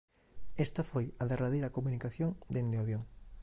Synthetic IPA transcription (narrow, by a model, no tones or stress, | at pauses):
est̪ɐfojaðeraðejɾakomunikaθjoŋd̪end̪eaβjoŋ